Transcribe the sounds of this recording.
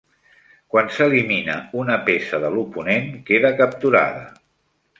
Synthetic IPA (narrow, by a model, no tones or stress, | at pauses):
kwansəliminəunəpesəðəlupunenkeðəkəp̚t̪uɾa̰ðə̰